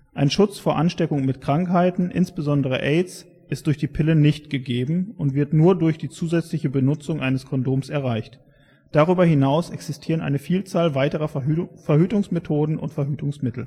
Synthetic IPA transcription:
ʔaɪnʃʊt͡sfoːɐʔanʃtɛkʊŋmɪtkʁ̥aŋkhaɪtn̩ʔɪ̰nsb̥əzɔndəʁ̞ə̰ʔɛɪs | ʔɪst̚d̥ʊɐçd̥iːpʰɪlənɪçtɡ̥əɡeːbm̩ʊntv̥ɪɐtnuːɐdʊɐçd̥iːt͡suːzɛt͡slɪçəbənʊt͡sʊŋʔaɪnəskʰɔndoːmsɛɐʁ̞aɪçt | d̥aʁ̞yːbɐhɪnaʊsʔɛksɪstʰiːʁ̞ənʔa̰ɪnəfiːlt͡saːlvaɪtəʁɐfɛɐhyːtʊŋsmetʰoːdn̩ʔʊ̰ntfɛɐɦyːtʊŋsmɪtl̩

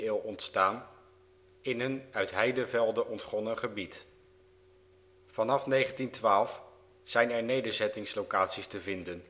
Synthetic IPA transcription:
ɪːlˠɔntstaːn | ɪnɦənœɥtɦɛjdəvɛlˠdəʔɔntχɔnəχəbit | fɑnɑfnejχəntintʋaːlˠf | z̥ɛjnɛɹnejdəɹzɛtɪŋslowkaːtsistəvɪndən

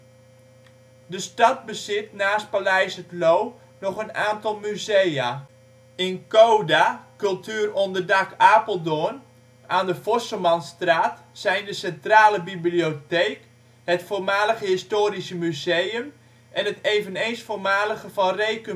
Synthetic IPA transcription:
dəstɑt̚bəzɪtnaːst̚palɛjsətlow | nɔχənaːntɑlˠmyzeja | ɪnkoːdakɵlˠtʰyːərɔndərdakaːpəlˠdoən | ʔaːndəfɔsəmɑnstraːt | sɛjndəsɛntraːləbiblioteːk | hətfoːrmaːləχəɦɪstoːɾisəmyzejəm | ʔɛnɦətejvənejnsfoːrmaːləχəvɑnrejkə

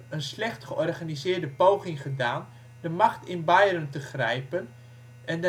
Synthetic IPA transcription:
ənslɛχtχəʔɔrχanizɪːdəpowχɪŋχədaːn | d̥əmaχtɪnbajrəntəχrɛjpən | ʔɛnd

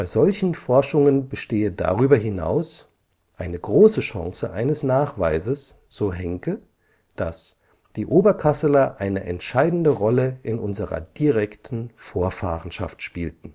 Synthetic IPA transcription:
b̥aɪzɔlçn̩fɔɐʃʊŋənbəʃteːəda̰ʁyːbɐɦɪna̰ʊs | ʔaɪnəɡʁoːsəʃã̰ŋsəʔaɪnəsnaːχv̥a̰ɪzəs | z̥oːɦɛŋkə | d̥as | d̥iːʔoːbɐkʰasəlɐʔaɪnəʔɛntʃaɪdn̩dəʁɔləʔɪnʔʊnzəʁɐ̰d̥iʁɛktʰn̩foːɐfa̰ːʁən̩ʃa̰ftʃpiːltn̩

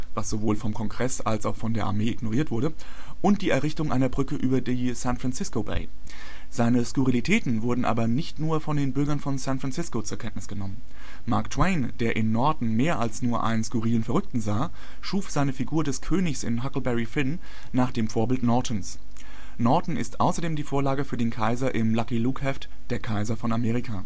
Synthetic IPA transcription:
vasz̥ovoːlfɔmkʰɔŋɡʁɛsa̰lsaʊxfɔndeːɐʔa̰ɐmeːɪɡnoʁiːɐtv̥ʊɐɾəʔʊnt̚d̥iːɛɐʁɪçtʊŋʔa̰ɪnɐbʁʏkəʔyːbɐdiːsænfʁ̥ant͡sɪskobḛɪ | z̥aɪnəskuʁilitʰɛːtn̩vʊɐdn̩ʔa̰ːbɐnɪçtnuːɐfɔndeːnbʏɐɡɐnfɔnsænfʁant͡sɪskot͡suːɐkʰɛntnɪ̥sɡ̥ənɔmən | maɐktʰw̥eɪnd̥eːɐʔɪnːɔɐdn̩meːɐʔalsnuːɐʔa̰ɪnənskʊʁiːlənfɛɐʁʏk̚tn̩zaː | ʃuːfz̥aɪnəfiɡuːɐdɛskʰøːnɪçsɪ̰nɦakl̩bɛʁifɪnː | aːχd̥eːmfoːɐbɪltnɔɐtʰn̩s | nɔɐtn̩ɪ̰stʔa̰ʊsɐdeːmdiːfoːɐlaːɡəfyːɐdeːnkʰaɪzɐʔɪmlakiluːkhɛft | d̥eːɐkʰaɪzɐfɔnameːʁikʰaː

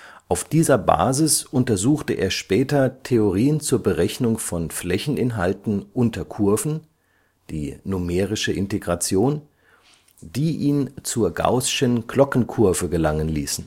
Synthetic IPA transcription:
ʔaʊfd̥iːzɐba̰ːzɪsʔʊntɐzuːxtəʔḛːɐʃpɛːtɐtʰeoʁiːənt͡suːɐbəʁɛçnʊŋfɔnflɛçn̩ʔɪnɦaltn̩ʔʊntʰɐkʰʊɐvn̩ | d̥ḭːnʊmɛːʁɪʃəʔɪnteɡʁat͡sjoːn | d̥iːʔiːnt͡suːɐɡa̰ʊsʃənklɔkn̩kʰʊɐvəɡəlaŋənliːsn̩

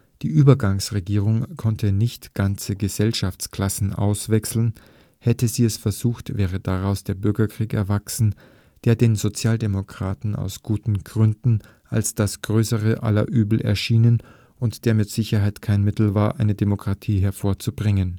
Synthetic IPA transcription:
d̥iːʔyːbɐɡaŋsʁeɡiːʁ̞ʊŋkʰɔntʰənɪçtɡ̥ant͡səɡəzɛlʃaft͡skl̥asn̩ʔa̰ʊsv̥ɛksl̩n̩ | hɛtəziːɛsfɛɐzuːxtv̥ɛːʁəd̥aʁaʊsd̥eːɐbʏɐɡɐkʁ̥iːkɛɐvaksn̩ | d̥eːɐdeːnzot͡sjaːldemokʁ̥a̰ːtn̩a̰ʊsɡ̥uːtn̩ɡ̥ʁʏndn̩ | ʔalsd̥asɡ̥ʁøːsəʁəʔa̰lɐ̰ʔyːbl̩ʔɛ̰ɐʃiːnən | ʔʊntd̥eːɐmɪtz̥ɪçɐɦaɪtkʰaɪnmɪtl̩vaːɐʔaɪnədemokʁ̥atʰiːɦɛɐfoːɐt͡subʁɪŋən

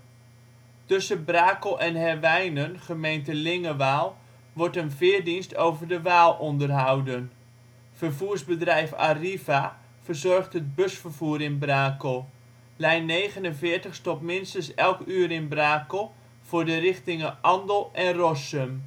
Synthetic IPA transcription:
tɵsəbraːkəlˠʔɛnhɛrʋɛjnənχəmejntəlɪŋəʋaːlˠ | ʋɔɹtənvɪːɹdinstʰowvəɹdəʋaːlˠɔndərɦawdən | fərvuːɹzbədrɛjfa̰riva | v̥ərzɔrχtɦət̚bɵsfərvuːɾɪnbraːkəlˠ | lɛjnːejχənənvɪːɹtəχstɔpmɪnstənsɛlˠkyːɾɪnbraːkəlˠ | v̥ʊːɹdərɪχtɪŋəʔɑndəlˠʔɛnrɔsəm

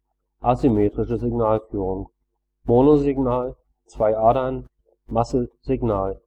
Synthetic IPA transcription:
ʔasimeːtʁ̥ɪʃəzɪɡnaːlfyːʁʊŋ | moːnozɪɡnaːl | t͡sv̥aɪʔaːdɐn | masəz̥ɪɡnaːl

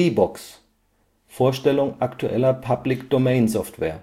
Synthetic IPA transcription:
iːbɔks | foːɐʃtɛlʊŋʔaktʰuʔɛ̰lɐpʰablɪkd̥omɛɪnsɔftvɛ̰ːɐ

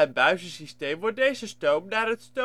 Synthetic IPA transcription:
ən̚bœɥzəsistejmʋɔt̚dejzəstowmnaːrɦətsto

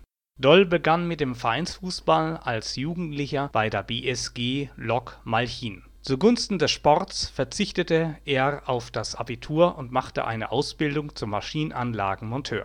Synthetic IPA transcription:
d̥ɔlbəɡanmɪt̚d̥eːmfɛɐʔaɪnsfuːsb̥alalsjuːɡŋ̩tlɪçɐb̥aɪdeːɐbeːʔɛsɡ̥eːlɔkmalçiːn | t͡suɡʊnstn̩dɛsʃpɔʁtt͡sfɛɐt͡sɪçtətəʔeːɐaʊfd̥asʔabitʰuːɐʔʊntmaχtə̰ʔa̰ɪnə̰ʔaʊsb̥ɪldʊŋt͡sʊmːaʃiːnənʔanla̰ːɡŋ̩mɔntʰø̰ːɐ

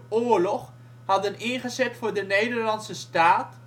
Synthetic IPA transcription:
oːɹlɔχ | hɑdənɪnχəzɛtfʊːɹdənejdəɹlɑnsəstaːt

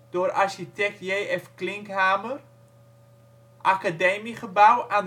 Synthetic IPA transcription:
d̥oːɾʔarʃitɛk̚tjejʔɛfklɪŋkɦaːmər | ʔakademiχəbawʔan

